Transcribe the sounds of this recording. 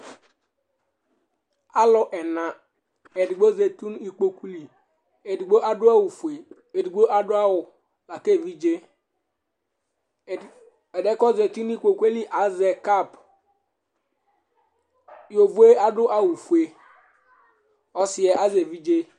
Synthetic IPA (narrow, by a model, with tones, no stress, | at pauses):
a˦lʊ˦ʔɛ˨na˨ | e˨di˨ɡ͡bo˦ze˨tu˦n˦i˦k͡po˦ku˦li˨ | e˨di˨ɡ͡bo˦ʔa˦dʊ˦a˦wu˨fu˨e˨ | e˨di˨ɡ͡bo˦ʔa˦dʊ˦a˦wʊ˨ | la˨ke˦˨vi˦d͡ʒe˦˨ | ɛ˨dɛ˦kɔ˦ze˨tu˦n˦i˦k͡po˨ku˦e˦li˦ʔa˨˦zɛ˨ka˦˨p | jo˨vu˨˦e˦a˦dʊ˦ʔa˦wu˨fu˨e˨ | ɔ˦sɪ˨ɛ˨ʔa˦ze˨vi˦d͡ʒe˦